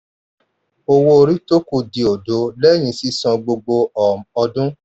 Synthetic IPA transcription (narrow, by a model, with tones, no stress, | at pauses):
o˧wo˧o˧ɾi˦to˦ku˧di˨˧o˨do˨˦lɛ˦˨j̃ĩ˧˦si˦sɔ̃˧ɡ͡bo˧ɡ͡bo˧ɔ˨m˨ɔ˧dũ˦